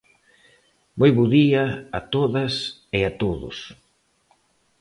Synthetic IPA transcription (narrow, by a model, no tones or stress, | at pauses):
mojβoðiɐat̪oðɐsɪat̪oðʊ̰s